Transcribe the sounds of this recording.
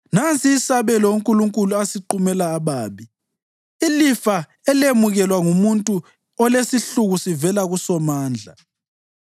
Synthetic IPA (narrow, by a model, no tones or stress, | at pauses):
nant͡sʼiːsaβɛlɔuŋkʼuluŋkʼuluasiǃumɛlaːβaːβi | ilifa | ɛlemuɣɛlwaŋumuntʼu | ɔlesiɬuɣusivɛlaɣusɔmaːnd͡ɮʱa̰